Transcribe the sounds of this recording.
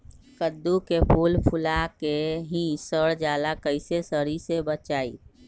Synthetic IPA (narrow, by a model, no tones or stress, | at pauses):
kəd̪ːukepʰuːlpʰʊlakeɦĩsəɽd͡ʒaːlakəɪsesəɾisebət͡ʃaːḭ